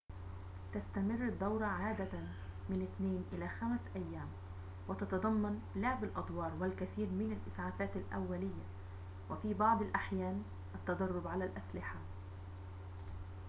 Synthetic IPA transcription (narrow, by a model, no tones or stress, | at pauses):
t̪ast̪amɪrːɪd̪ːɑwɾˤɑʕaːd̪a | mɪnɪt̪neːnʔɪlaːxamsʔajːaːm | wɪt̪ɑt̪ɑd̪ˤɑmːɑn | lʊʕbalʔɑd̪ˤwɑːɾˤwɪlkaθiːɾmɪnalʔɪsʕaːfaːt̪alʔa̰wːalɪjːa | wɪfiːbɑʕd̪ˤɪlʔaħjaːn | ʔat̪ːɑd̪ˤɑrˤːʊbʕalalʔaslɪħa